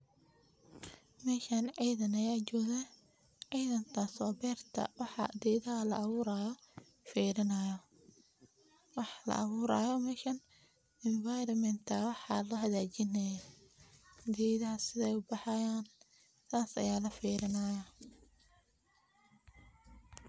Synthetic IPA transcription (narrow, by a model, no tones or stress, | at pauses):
mɛːʃaːnʕijðɐnɐjaːt͡ʃɔːɣɛ | ʕiːðɐnt̪ʰaːswɑːbɛːrt̪ʰɐ̰wɑħɑ̰d̪iːðɐɦɐlɐ̰ʔːβuːɾaːjɔ | fiːɾɪnɐjɔ | wɑħlɐ̰ʔɑ̰βuːɾa̰ːjɔmɛːʃɐn | ɪnvajɾɐmɛnt̪ʰɐwɑħɑːlɐɦɐðaːt͡ʃɪnɐja | d̪ɛːðɐɦɐsɪðɛjʊbɑħɑjaːn | sʰaːsɐ̰jaːlɐfiːɾɪnɐːjɐ